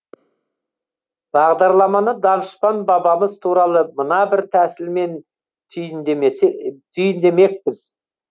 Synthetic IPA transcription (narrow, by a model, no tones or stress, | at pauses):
b̥ɑʁd̪ɑɾlˠɑmɑnəd̪ɑnəʃpɑnbɑbɑməzt̪ʰuɾɑlˠəmənɑbɪɾt̪ʰæsɪlme̞nʰ | ʏjn | t̪ʰʏjɪnd̪e̞me̞k̚pɪz